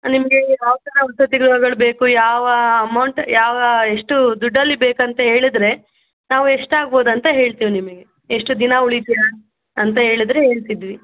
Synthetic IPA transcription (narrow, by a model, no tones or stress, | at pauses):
nimɐɡe̞aːʋt̪ɐnɐusɐt̪iɡɾuɦɐɡɐɭbe̞ːkujaːʋɐːmɐwɳʈjaːʋɐeʂʈud̪uɖːɐlːibeːkɐnt̪ɐɦe̞ːɭid̪ɾe̞ | naːʋue̞ʂʈaːɡ̚bo̞ːd̪ɐnt̪ɐɦe̞ːɭt̪iːʋnimɐɡe̞ | eʂʈud̪inauɭit̪ja | ɐnt̪ɐɦe̞ːɭid̪ɾe̞ɦe̞ːɭt̪id̪ʋi